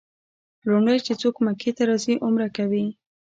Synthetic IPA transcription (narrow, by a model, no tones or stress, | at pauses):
lʊɳɖəjt͡ʃet͡sokmaket̪aɾɑziʔʊmɾakawi